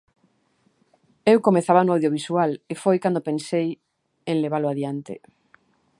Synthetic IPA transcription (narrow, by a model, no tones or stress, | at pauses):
ewkomeθaβanʊawðjoβisualefojkand̪opẽnsej | eŋleβalʊaðjant̪ɪ̰